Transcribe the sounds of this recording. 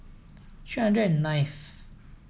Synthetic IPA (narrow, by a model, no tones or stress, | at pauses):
t͡ɕʰɥɛnɹɛnnaɪf